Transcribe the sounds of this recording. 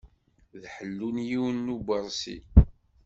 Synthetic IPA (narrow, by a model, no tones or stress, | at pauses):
ðħəlːunjiwnːubəɾˤsḭ